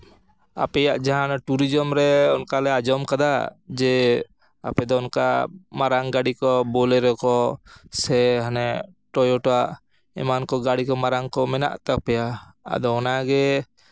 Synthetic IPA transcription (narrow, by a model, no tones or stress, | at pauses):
a̰pɛjaʔd͡ʒaɦanaʈuɾid͡ʒɔmɾɛɔnkalɛad͡ʒɔmkad̪ad͡ʒɛ | a̰pɛd̪ɔɔnkamaɾaŋɡaɽikɔbɔlɛɾɔkɔsɛɦanɛ | ʈɔjɔʈɔaʔ | ɛ̰mankɔɡaɽikɔmaɾaŋkɔmɛna̰ʔt̪ak̚pɛjaa̰d̪ɔɔnaɡɛ